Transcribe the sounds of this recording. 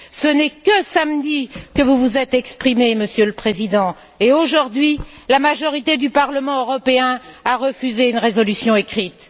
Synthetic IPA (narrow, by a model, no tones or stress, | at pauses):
sənɛkəsamd̪ikəvuvuzɛt̪ɛkspχimeməsjøləpχezid̪ɑ̃ | eoʒuʁd̪ɥi | lamaʒɔʁit̪ed̪ypaʁləmɑ̃øʁɔpeɛ̃aʁəfyzeynʁezɔlysjɔ̃ekχit̪